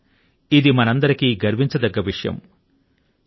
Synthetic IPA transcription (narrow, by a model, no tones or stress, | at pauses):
id̪imɐnɐnd̪ɐɾikiɡɐɾmiɲt͡ʃɐd̪ɐɡːɐʋiʂɐjɐ̰m